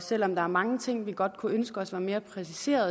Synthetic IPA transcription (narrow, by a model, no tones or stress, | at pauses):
sel̰ɒ̽md̥ɑ̈æɐmɑ̈ŋət͡sʰe̝ŋ̰ʋiɡ̥ɒ̽d̥kʰuønsɡ̥əɒ̽sʋæːɐme̝ːɐpʰʁɛsise̝̰ːɐð̩ˠ